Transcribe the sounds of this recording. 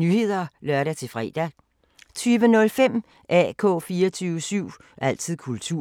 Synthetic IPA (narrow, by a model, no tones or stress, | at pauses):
nyhe̝ð̰ˠɐlɶɐɾæt͡sʰe̝fʁɛ̰ːd̥æ | t͡sʰyːʋənɔ̽lfem̰ | ʔæ̰ːkʰɔ̰̽ːfiːɐt͡sʰyːʊəsyʊ̰ | ʔæl̰t͡sʰið̰ˠkʰult͡sʰu